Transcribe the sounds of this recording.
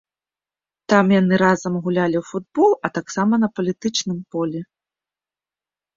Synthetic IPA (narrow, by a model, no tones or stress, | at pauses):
t̪amjanɨɾazɐmɣulʲalʲiwfud̪̚bɔlˠɐt̪aksamɐnɐpɐlʲit̪ɨt͡ʂnɨmpɔlʲɛ